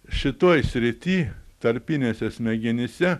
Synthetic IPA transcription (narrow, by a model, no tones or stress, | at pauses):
ʃʲɪt̪oːjsʲɾʲɪt̪ʲiːt̪ɐɾʲpʲɪnʲeːsʲɛsʲmʲɛɡʲɪnʲɪsʲɛ